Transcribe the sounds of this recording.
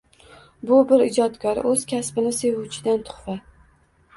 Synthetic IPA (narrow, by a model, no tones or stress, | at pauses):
bʊbɪɾɪd͡ʒɒt̪kʲɒɾɵz̥kʲʰasbɪnɪse̞vut͡ʃʰɪd̪ant̪ʰʊ̥χfa